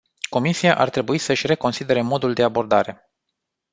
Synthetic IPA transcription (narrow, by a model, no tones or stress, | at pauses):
ko̞misiaʔart̪ɾe̞buisəʃʲre̞ko̞nsid̪e̞ɾemo̞d̪uld̪e̞abo̞rd̪aɾe̞